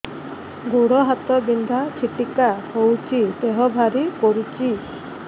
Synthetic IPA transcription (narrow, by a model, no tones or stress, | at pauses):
ɡuɽɔɦat̪ɔbind̪ʱakʰiʈikahowt͡ʃʰiseɦɔbʱaɾikɔɾut͡ʃi